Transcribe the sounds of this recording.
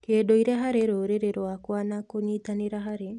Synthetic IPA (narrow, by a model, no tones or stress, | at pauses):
keːdoiɾɛɦaɾeɾoːɾeɾeɾwakwanakoɲitaneɾaɦaɾe